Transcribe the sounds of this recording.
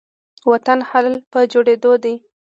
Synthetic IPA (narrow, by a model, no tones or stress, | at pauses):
wat̪anhalpəd͡ʒoɽed̪od̪ij